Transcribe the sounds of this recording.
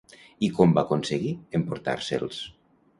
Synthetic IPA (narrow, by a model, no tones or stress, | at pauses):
ikɔmbakonseɣiempoɾt̪a̰ɾsḛlˠs